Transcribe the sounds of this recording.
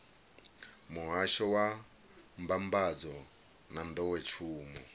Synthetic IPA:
muɦaʃɔwa | m̩bambad͡zɔ | nand̪ɔwɛt͡ʃʰuːmu

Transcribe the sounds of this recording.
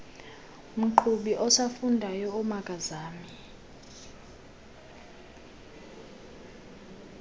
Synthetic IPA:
m̩ǃʰuɓiʔɔsafundʱajɔumakʼazaːmii

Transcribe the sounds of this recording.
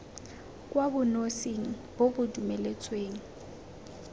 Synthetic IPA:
kʼwabʊnoseŋ̩ | bobʊdumɛlet͡sʼweːŋ̩

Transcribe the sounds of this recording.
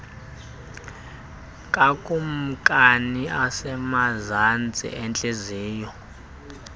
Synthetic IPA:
kʼakʼum̩kʼaniasɛmazant͡sʼḭʔɛnt͡ɬʼeziːjɔ

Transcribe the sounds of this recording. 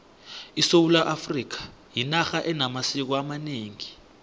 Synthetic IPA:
isowulaʔafrik̬ḁ | jinaxaʔɛnamasik̬ɔamaneːŋi

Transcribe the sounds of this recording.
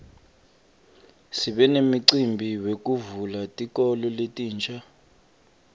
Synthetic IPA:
siɓɛnemiǀimbʱiwek̬ʼuvulatʼik̬ʼɔlɔletʼiːnt͡ʃʰʼa

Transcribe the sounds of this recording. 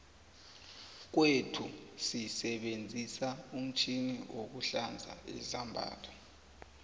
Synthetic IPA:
k̬wetʰusisɛɓend͡zʱisaum̩t͡ʃʰiniʔok̬uɬand͡zʱa̰ḭzambʱa̰ːtʰɔ

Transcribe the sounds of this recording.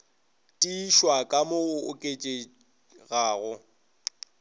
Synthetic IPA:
tʼiːʃwakʼamoʊkʼet͡ʃʼe | ɣaːɣʊ

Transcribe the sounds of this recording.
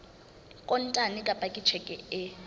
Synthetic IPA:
kʼɔntʼanikʼapʼakʼit͡ʃʰɛkʼɛɛ

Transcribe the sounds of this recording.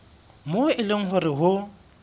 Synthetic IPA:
moɪlɪŋ̩ɦʊrɪɦʊ

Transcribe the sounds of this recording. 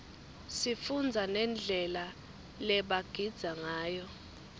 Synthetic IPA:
sifund͡zʱanɛnd͡ɮʱɛla | lɛɓaɡ̥ʱid̥z̥ʱaŋaːjɔ

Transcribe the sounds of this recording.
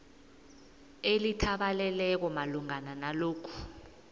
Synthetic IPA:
elitʰaɓalɛlɛk̬ɔmaluŋananaloːkʰu̥

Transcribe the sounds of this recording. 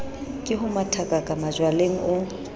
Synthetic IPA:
kʼɪɦʊmatʰakʼakʼamad͡ʒwaleŋ̩ʔʊ

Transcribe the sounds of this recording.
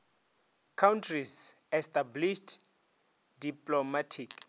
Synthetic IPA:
kʰawntʰrizɛstabliʃt | diplɔmatʰik

